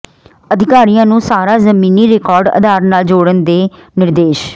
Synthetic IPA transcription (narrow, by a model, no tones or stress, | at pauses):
əd̪ʱɪkaːɾijãːnũːsaːɾaːzəmiːniːɾeːkɔːɾɖə̰d̪aːɾnaːld͡ʒoːɽənd̪eːnɪɾd̪eːʃ